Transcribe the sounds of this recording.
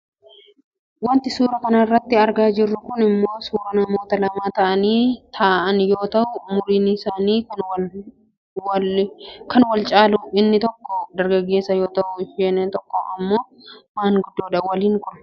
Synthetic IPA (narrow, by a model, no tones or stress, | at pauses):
wɐnt̪ɪsuːɾɐkɐnɐrːɐt̪ːɪɐɾɡaːd͡ʒɪrːʊkʊnɪmːo̞ːsuːɾɐnɐmo̞ːt̪ɐlɐmaːt̪ɐʔɐniːt̪ʰɐʔɐnjo̞ːt̪ɐʔʊmʊɾiːnɪsaːniːn | kɐnwɐlt͡ʃʼaːlʊɪnːɪt̪ɔkːɔd̪ɐɾɡɐɡːe̞ːsːɐjo̞ːt̪ɐʔʊɪfeːnːɛnt̪ɔkːɔɐmːo̞ː | maːŋɡʊd̪ːoːᶑɐwɐliːŋkʊnɐ̥